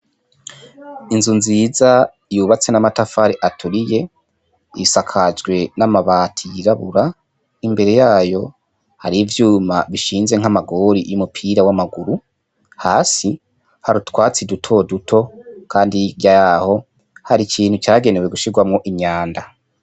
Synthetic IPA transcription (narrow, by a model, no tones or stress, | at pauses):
inzunziza | juːβat͡se̞namatafaɾeʔatʰuɾije̞ | isakʰad͡ʒɡwe̞namaβaːtʰijiɾaβuɾa | imbe̞ɾe̞jaːjo̞ | ha̰ɾivjuːma̰βiʃiːnze̞ŋ̥amaɡo̞ɾijumupʰiɾawamaɡuɾu | haːsi | haɾutwaːt͡sidutʰo̞dutʰo̞kʰaːndiɾjaaho̞ | haɾicʰiːnhut͡ʃaːɡe̞ne̞weɡuʃiɡwamŋo̞ʔiɲaːnda